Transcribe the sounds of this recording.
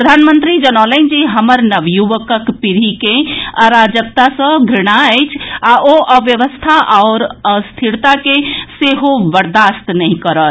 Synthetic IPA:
ɾəd̪ʱanmənt̪ɾid͡ʒənalɛ̃nd͡ʒiɦəməɾnəʋjuʋəkəkpiɾikẽəɾad͡ʒək̚t̪asə̃ɡʱɾiɽ̃aɛjt͡ʃʰaʔoʔəʋjəʋəst̪ʰaʔɔʊɾəst̪ʰiɾt̪akeseɦobəɾd̪ast̪nɛɦĩkəɾə

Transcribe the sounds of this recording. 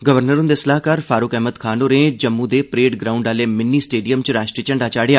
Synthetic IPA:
ɡəʋəɾnəɾʊ̃nd̪esəlaːɦkaːɾfʰaːɾʊkɛɦməd̪kʰaːnoːɾẽːd͡ʒəmːũd̪eːpɾeːʈɡɾaːʊ̃ɳɖaːleːmɪnːiːsʈeːɖijəmt͡ʃɾaːʃʈɾiːt͡ʃəɳɖaːt͡ʃaːɽejaː

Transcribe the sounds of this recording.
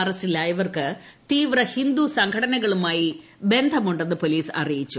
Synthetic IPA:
ɐrɐstilaːjɐʋɐrkɨ | t̪iːʋrɐhind̪usɐŋkʰɐɽɐnɐɣɐɭumaːji | be̞nd̪ʱɐmuɳɖenːɨpo̞liːsɐ̰rijit͡ɕːu

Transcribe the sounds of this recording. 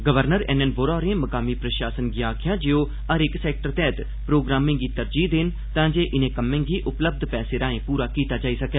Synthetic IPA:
ɡəʋəɾnəɾɛːnɛnboːɾaːɾẽːməkaːmiːpɾəʃaːsənɡiːaːkʰjãːd͡ʒeoː | əɾɪksɛːk̚ʈəɾt̪ɛːt̪ | pɾoːɡɾaːmɪ̃ŋɡiːt̪əɾd͡ʒiːd̪ɪn | t̪ãːd͡ʒeːʔɪnẽːkəmːẽːŋɡiːʔʊpləb̚d̪ʱpɛːseːɾãːẽːpuːɾaːkiːt̪aːd͡ʒaːiːsəkɛː

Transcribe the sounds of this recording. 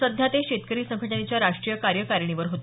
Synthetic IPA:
əd̪ʱjat̪eɕet̪kəɾiːsə̃ŋkʰəʈənet͡ɕjaɾaʂʈɾijəkaɾjəkaɾɳiʋəɾɦot̪

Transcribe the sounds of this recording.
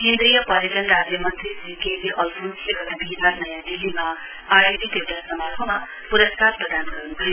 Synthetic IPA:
kẽnd̪ɾijʌpʌɾetʌnɾad͡zjʌmʌnt̪risikeziʔʌlpʰunsleɡʌt̪abʱinanʌjãd̪ilːima | ajed̪it̪ewʈasʌmʌrbʰʱʌma | puɾʌstat̚prʌd̪anɡʌɾunuk̪ʰʌjo

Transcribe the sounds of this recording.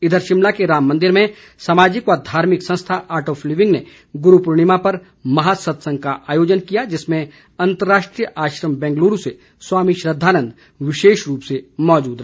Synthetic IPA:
ɪd̪ʱəɾʃɪmlakeɾaːmːɐ̃nd̪ɪɾmẽ | saːmaːd͡ʒɪkɔːɾd̪ʱaːɾmɪksɐ̃ñst̪ʰaʔaːɾʈoːfliːʋɪ̃ŋɡne | ɡʊɾupʊɾɽ̃ɪmapɐɾ | mɐɦasɐt̪sə̃ŋɡ̚kaʔaːjoːd͡ʒənkijad͡ʒɪsmẽ | ɐ̃nt̪əɾːaːʃʈɾijəʔaːʃɾəmbɛ̃ːŋɡluːɾuse | swaːmiʃɾəd̪ʱːaːnə̃nd̪ | ʋɪʃeːʃɾuːpsemɔːd͡ʒuːd̪ɾɐɦ

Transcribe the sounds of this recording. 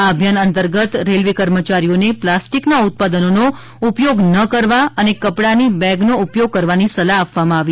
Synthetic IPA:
abʱjanənt̪əɾɡət̪ɾelʋekəɾmət͡ʃaɾijoneplasʈiknaʊt̪̚pad̪ənono | upjoɡnəkəɾʋaənekəpɽanibɛɡnoupjoɡ̚kəɾʋanisəlaːpʋamãaʋi

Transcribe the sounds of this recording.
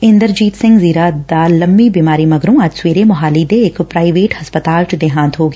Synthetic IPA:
ɪ̃nd̪əɾd͡ʒiːt̪sɪ̃ŋɡziːɾad̪aːlɐmbibiːmaːɾimɐɡɾõɐd͡ʒswiːɾemʊɦaːlid̪ekpɾaːɪʋeːʈhɐspət̪aːlʈd̪eɦãːnt̪ɦoːɡe

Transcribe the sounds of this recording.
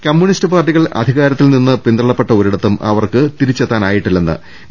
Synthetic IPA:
kɐmːjuɳistɨpaːrʈ̬ːiɣɐɭɐ̰d̪ʱiɣaːɾɐt̪ːilninːɨpind̪rɐɭɐpːe̞ʈːɐoɾiɽɐt̪ːumʔɐ̰ʋɐrkɨt̪iɾit͡ɕːɐt̪ːaːnaːjiʈːilːenːɨ̰

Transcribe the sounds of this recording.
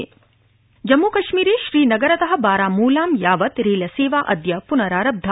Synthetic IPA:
d͡ʒɐmːuːkɐʃmiːɾeːʃɾiːnɐɡɐɾɐt̪ɐɦɐ̆baːɾaːmuːlaːmjaːʋɐt̪ɾeːlɐseːʋaːʔɐd̪jɐpunɐɾaːɾɐb̚d̪ʱɐ

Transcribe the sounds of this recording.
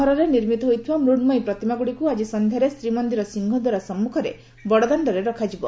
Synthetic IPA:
ɦɔɾɔɾeniɾmit̪ɔɦojt̪ʰibamɾuɖmɔjpɾɔt̪imaɡuɽikuad͡ʒisɔnd̪ʱjaɾest̪ɾimɔnd̪iɾɔsiŋɡʱɔd̪waɾasɔmːukʰɔɾe | bɔɽɔd̪aɳɖɔɾeɾɔkʰad͡ʒibɔ

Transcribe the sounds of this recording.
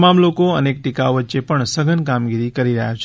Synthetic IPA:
mamlokoənek̚ʈikaoʋət̪ːʃepəɳsəɡənkamɡiɾikəɾiɾəɦjat͡ʃʰ

